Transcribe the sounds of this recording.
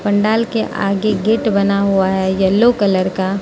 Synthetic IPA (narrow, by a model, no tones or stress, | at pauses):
pɐ̃ɳɖaːlkeʔa̰ːɡeɡeːʈbɐnaɦuaɦɛjɐlːokələɾka